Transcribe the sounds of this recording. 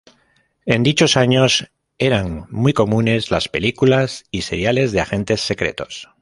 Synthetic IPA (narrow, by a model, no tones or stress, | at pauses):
e̞nd̪it͡ʃo̞saɲos | e̞ɾaŋmijko̞mũne̞zlaspe̞likulasise̞̰ɾjale̞zðe̞axẽ̞nt̪e̞sːe̞kɾe̞̰t̪o̞̥s